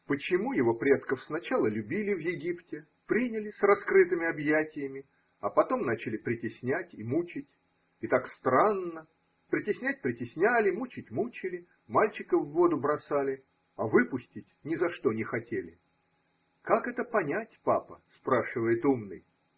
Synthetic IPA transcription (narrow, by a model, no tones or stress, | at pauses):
pət͡ɕɪmujɪvo̞pɾʲe̞t̪kəfsnɐt͡ɕalˠəlʲʉbʲilʲɪvjɪɡʲiptʲɪ | pɾʲinʲɪlʲɪsrɐskɾɨt̪ɨmʲɪɐbjætʲɪjəmʲɪ | ɐpɐt̪o̞mnat͡ɕɪlʲɪpɾʲɪtʲɪsʲnʲætʲimut͡ɕɪtʲ | ɪt̪akst̪ɾanːə | pɾʲɪtʲɪsʲnʲæt̚ʲpɾʲɪtʲɪsʲnʲælʲɪmut͡ɕɪtʲmut͡ɕɪlʲɪ | malʲt͡ɕɪkəvːo̞d̪ʊbɾɐsalʲɪ | ɐvɨpʊsʲtʲɪtʲnʲɪzɐʂt̪o̞nʲɪxɐtʲelʲɪ̰ | kakɛt̪əpɐnʲætʲpapə̰spɾaʂɨvəjɪt̪umnɨ̰j